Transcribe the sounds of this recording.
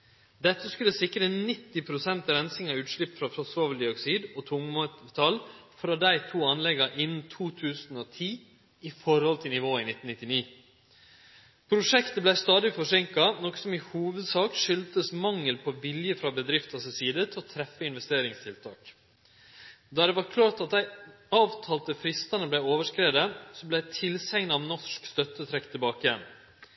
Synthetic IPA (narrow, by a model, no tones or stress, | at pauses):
d̪ɛt̪ːəskʉlːəsɪkɾənɪt̪ːɪpʰɾʊsɛnt̪ɾɛnsɪŋɑʉːt̪ʃɭɪpːfɾɑfɾɔsoːʋəd̪ɪɔksiːd̪oːt̪ʰʊŋmːt̪ʰɑlfɾɑːd̪æɪt̪ʰuːɑnlɛɡɑʔɪnn̩t̪ʰuːt̪ʰʉːsn̩oːt̪ʰiː | ɪfɔɾhɔlt̪ʰɪlnɪʋoːɪnɪt̪n̩nɪt̪ːɪniː | pʰɾʊʂɛkt̪əblæɪst̪ɑːd̪ɪfɔʂɛŋkɑnɔksɔmɪhuːʋəd̪sɑːkʂʏlt̪əsmɑŋːəlpʰɔʋɪljəfɾɑbəd̪ɾɪft̪ɑsəsiːd̪ət̪ʰɪlɔt̪ʰɾɛfːəɪnʋɛst̪eːɾɪŋst̪ʰɪlt̪ʰɑ̰ːk | d̪ɑd̪ɛʋɑɾkʰlɑːʈɑt̪̚d̪æɪ | ɑːʋt̪ʰɑːlt̪əfɾɪst̪ɑnəblæɪoːʋəʂkɾeːd̪əsɔblæt̪ʰɪlsɛŋnɑɑʋnɔʂkst̪œt̪ːət̪ʰɾɛkt̪ʰɪlbɑːkəjɛn